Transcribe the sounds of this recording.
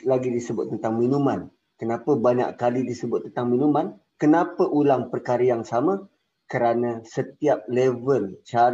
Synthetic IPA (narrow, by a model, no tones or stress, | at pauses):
laɡidisəbʊt̪̚ːənt̪aŋmĩnumãn | kənãpəbaɲa̰ʔkalidisəbʊt̪̚ːənt̪aŋmĩnuman | kənapəʔulaŋpərkaɾajaŋsamã | kəɾanãsət̪iap̚lɛvəlt͡ʃa